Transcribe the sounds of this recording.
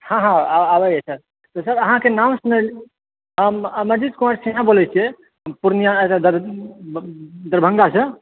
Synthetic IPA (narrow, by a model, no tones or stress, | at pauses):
hãɦãaabəjɛsəɾ | t̪ɔsəɾəɦãkenam̃sunəl | əmməd͡ʒid̪̚kumaɾsinãbolɛt͡ʃʰie | puɾnijãsad̪əɾ | d̪əɾbʱə̃ŋɡasə̃